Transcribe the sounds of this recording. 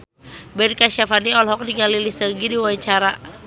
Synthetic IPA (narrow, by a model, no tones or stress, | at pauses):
bɛnkaʃafaniɔlɦɔk̚niŋalilisəɡidiwaaɲt͡ʃaɾa